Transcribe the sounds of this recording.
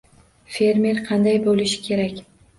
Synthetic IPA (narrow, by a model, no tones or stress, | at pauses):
fe̞ɾmʲe̞ɾqʰɑnd̪ajbolɪʃɪ̥kʲʰe̞ɾakʲ